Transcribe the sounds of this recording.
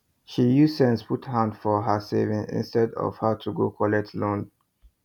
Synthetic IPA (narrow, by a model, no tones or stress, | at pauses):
ʃijusɛ̃nspʰuthãndfɔɦəsevɪ̃ŋɪ̰̃nstɛdɔ̰v̥hətʰuɡokʰɔlɛtlõn